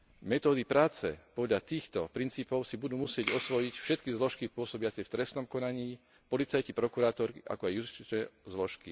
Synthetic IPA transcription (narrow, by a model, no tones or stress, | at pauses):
mɛt̪ɔːd̪ipɾaːt͡sɛ̰pɔd̪ʎat̪iːxt̪ɔpɾint͡siːpɔʊsibud̪uːmusɪɛɟɔsʋɔjicfʃɛt̪kizlɔʃkipʊɔsɔbɪat͡sɛft̪ɾɛst̪nɔmkɔnaɲiː | pɔlit͡sajcipɾɔkuɾaːt̪ɔɾkiʔa̰kɔajjust͡ʃit͡ʃɛzlɔʃki